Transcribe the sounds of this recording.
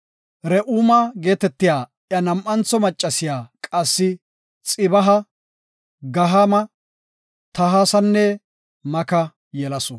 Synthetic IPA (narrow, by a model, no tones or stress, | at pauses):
ɾɛʔuːmɐɡe̞ːt̪ɛt̪ːɪjaːʔjɐnɐmʔɐnt͡sɔmɐt͡ʃʼːɐsɪjaːkʼɐsːɪ | t͡sʼɪbɐɦɐ | ɡɐɦamɐ | t̪ɐɦaːsɐnːɛ | mɐkɐ | jɛlɐsɔ